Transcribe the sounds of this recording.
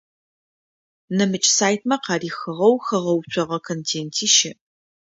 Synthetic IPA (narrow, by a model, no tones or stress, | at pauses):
nɐmɨt͡ʃʼsaːjt̚ʰmɐqɑːriːxɨʁɐwxɐʁɐwt͡ʃʷʰʼɔʁɐkʰontʰeːntʰiːʃɪ